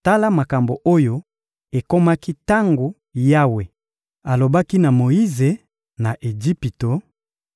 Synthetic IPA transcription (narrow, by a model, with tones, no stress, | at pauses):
ta˦la˦ma˨ka˨mbo˨ʔo˦jo˦ | e˨ko˦ma˦ki˦ta˦ŋɡo˨ | ja˦we˨ | a˨lo˨ba˦ki˦na˨mo˨ji˦ze˨ | na˨ʔe˨d͡ʒi˦pi˨to˨